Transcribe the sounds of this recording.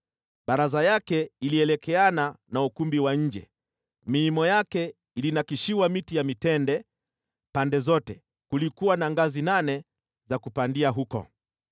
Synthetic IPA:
baɾazajakɛiliɛlɛkɛananaukumbiwaɲ̩d͡ʒɛ̰ | miːmɔjakɛ | ilinakiʃiwamitijamitɛndɛ | pandɛzɔtɛ̰ | kulikuwanaŋɡazinanɛ | zakupandiaɦukɔ̰

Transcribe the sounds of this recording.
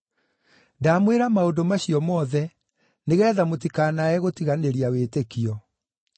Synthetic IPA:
daːmweɾamaondomaɕiɔmɔːðɛ | neɣɛːðamotikanaɛɣotiɣaneɾiawetekiɔ

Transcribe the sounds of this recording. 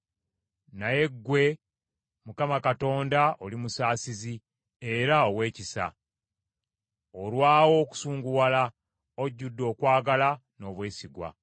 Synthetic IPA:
naje̞ɡːwe̞ | mukamakato̞ːndaʔolimusaːsizi | e̞ɾao̞we̞ːcisa̰ | olwaːwo̞ku̥suːŋɡuwala | oɟːudːo̞ːkwaːɡalano̞ːβwe̞ːsiɡwa̰

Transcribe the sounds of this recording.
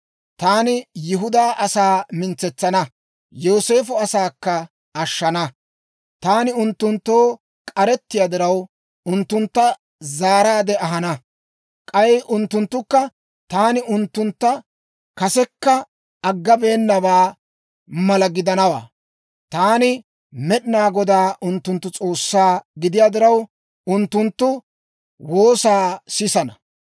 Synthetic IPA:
t̪aːnɪjɪɦʊd̪aːʔɐsaːmɪnt͡sːɛt͡sːɐnɐ | joːse̞ːfʊɐsaːkːɐ | ɐʃːɐnɐ | t̪aːnɪʊnt̪ːʊnt̪ːo̞ː | kʼɐɾɛt̪ːɪjɐd̪ɪɾɐw | ʊnt̪ːʊnt̪ːɐ | zaːɾaːd̪ɛʔɐɦɐnɐ | kʼɐjʔʊnt̪ːʊnt̪ːʊkːɐ | t̪aːnɪʊnt̪ːʊnt̪ːɐ | kɐsɛkːɐ | ɐɡːɐbe̞ːnːɐbaː | mɐlɐɡɪd̪ɐnɐwa̰ː | t̪aːnɪ | mɛɗɪnaːɡɔd̪aːʔʊnt̪ːʊnt̪ːʊt͡sʼo̞ːsːaːɡɪd̪ɪjaːd̪ɪɾɐw | ʊnt̪ːʊnt̪ːʊ | wo̞ːsaːsɪsɐnɐ

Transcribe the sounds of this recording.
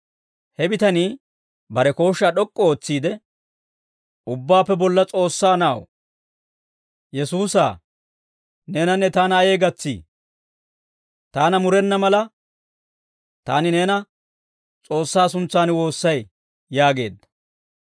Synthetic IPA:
hɛbɪt̪ɐniː | bɐɾɛko̞ːʃːaɗɔkʼːɔoːt͡sːiːd̪ɛ | ʊbːaːpːɛbɔlːɐt͡sʼo̞ːsːaːnɐw | jɛsuːsa̰ː | neːnɐnːɛt̪aːnɐɐje̞ːɡɐt͡sːḭː | t̪aːnɐmʊɾɛnːɐmɐlɐ | t̪aːnɪneːnɐ | t͡sʼo̞ːsːaːsʊnt͡sːaːnwo̞ːsːɐj | jaːɡe̞̰ːd̪ːɐ̥

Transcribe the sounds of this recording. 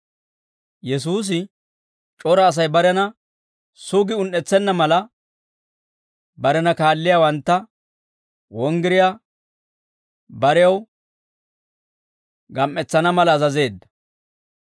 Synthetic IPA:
jɛs̬uːs̬ɪ | t͡ʃʼɔɾɐːs̬ɐjbɐɾɛnɐ | sʊɡɪʊnːɛt͡sːɛnːɐmɐlɐ | bɐɾɛnɐkaːlːɪjaːwɐnt̪ːɐ | wɔŋɡɪɾɪja | bɐɾɛjɐw | ɡɐmʔːɛt͡sːɐnɐmɐlɐːzɐze̞ːd̪ːɐ

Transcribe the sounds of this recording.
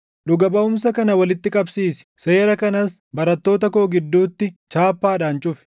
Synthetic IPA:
ᶑʊɡɐbɐʊmsɐkɐnɐwɐlɪt̪ːɪkʼɐbsiːsɛ̥seːɾɐkɐnɐsbɐɾɐt̪ːo̞ːt̪ɐko̞ːɡɪd̪ːuːt̪ːɪt͡ʃaːpːaːᶑaːnt͡ʃʼʊfɛ̥

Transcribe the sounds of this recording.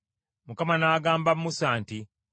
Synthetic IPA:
mukamanaːɡaːmbamːusaːnti

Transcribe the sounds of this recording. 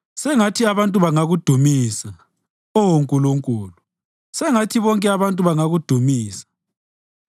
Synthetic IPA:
sɛŋatʰiaβantʼuβaŋaɣud̥ʱumiːsa | ɔwoŋkʼuluŋkʼuːlu | sɛŋatʰiβɔŋkʼɛaβantʼuβaŋaɣud̥ʱumiːsḁ

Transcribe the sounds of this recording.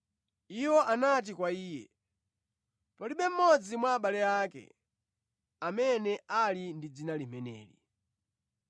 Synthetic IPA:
iwɔʔanat̬ikwaiːjɛ̰ | pɔliɓɛm̩mɔd͡zimwaːɓalɛakɛ̰ | amɛnɛʔalindid͡zinalimɛnɛ̰ːlḭ

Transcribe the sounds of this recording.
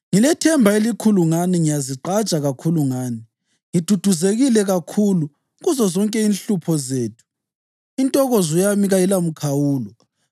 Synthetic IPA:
ŋilɛtʰɛmbʱaelikʰuluŋaniŋijaziǃḁt͡ʃʼaɣakʰuluŋaːni | ŋid̥ʱud̥ʱuzeɣilɛɣakʰulu | ɣuzɔzɔŋkʼɛinɬupʰɔzeːtʰu̥ | intʼɔɣɔzɔjamiɣajilam̩kʰawuːlɔ

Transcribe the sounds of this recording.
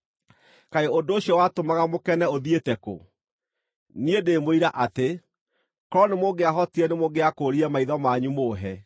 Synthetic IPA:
kaeondoːɕjɔwatomaɣamokɛnɛoðietɛko̰ | niedemoiɾaʔate | kɔɾɔnemoɡeaɦɔtiɛnemoɡeakoːɾiɛmaiðɔmaɲumoːɦɛ

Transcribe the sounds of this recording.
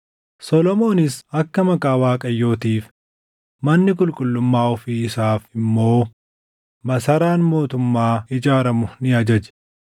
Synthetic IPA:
sɔlɔmo̞ːnɪsɐkːɐmɐkʼaːwaːkʼɐjːo̞ːt̪iːf | mɐnːɪkʼʊlkʼʊlːʊmːaːɔfiːɪsaːfɪmːo̞ː | mɐsɐɾaːnmo̞ːt̪ʊmːaːɪd͡ʒaːɾɐmʊnɪɐd͡ʒɐd͡ʒɛ̥

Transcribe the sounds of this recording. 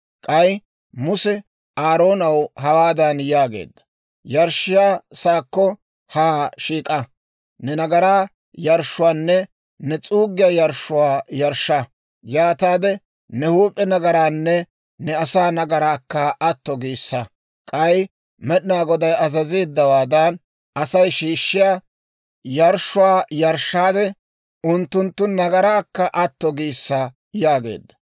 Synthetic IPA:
kʼɐj | mʊsɛ | aːɾo̞ːnɐwhɐwaːd̪ɐnjaːɡḛːd̪ːɐ̥ | jɐɾʃɪjaːsaːkːɔ | haːʃiːkʼɐ | nɛnɐɡɐɾaː | jɐɾʃːʊwaːnːɛ | nɛt͡sʼuːɡɪjajɐɾʃːʊwaːjɐɾʃːɐ | jaːt̪aːd̪ɛ | nɛhuːpʼːɛnɐɡɐɾaːnːɛ | nɛɐsaːnɐɡɐɾaːkːɐʔɐt̪ːɔɡiːsːɐ | kʼɐj | mɛɗɪnaːɡɔd̪ɐjɐzɐzeːd̪ːɐwaːd̪ɐn | ʔɐsɐjʃiːʃːɪja | jɐɾʃʊwaːjɐɾʃːaːd̪ɛ | ʊnt̪ːʊnt̪ːʊnɐɡɐɾaːkːɐʔɐt̪ːɔɡiːsːa | jaːɡe̞̰ːd̪ːɐ̥

